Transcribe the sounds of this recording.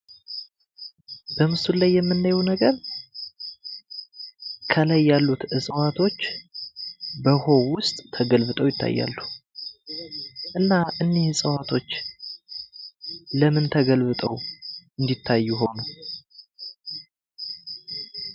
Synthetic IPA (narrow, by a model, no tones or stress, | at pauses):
bəmɨsulajːɛmːɨnːajwnəɡəɾ | kʰəlajːalːut̪ɨsʼəwat̪ʰo̞t͡ʃː | bəho̞wʊst̪ʼt̪ʰːəɡəlβɨt̪ʼəwjɪt̪ʰːa̰jːa̰lːu | ʔɨnːaʔɨnːehɨsʼəwat̪ʰo̞t͡ʃː | ləmɨnt̪ʰəɡəlβɨt̪ʼəwɨnd̪it̪ʰːajːuɦo̞nəw